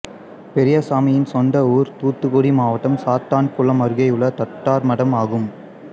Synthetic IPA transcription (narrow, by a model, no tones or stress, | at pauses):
pɛɾɪjɐsaːmɪjɪnsɔnɖɐuːɾt̪uːt̪ːɯkoɽimaːʋɐʈːɐmsaːt̪aːnkʊɭɐmɐɾɯɣɐjɯɭːɐt̪ɐʈːaːɾmɐɽɐmaːɣɯm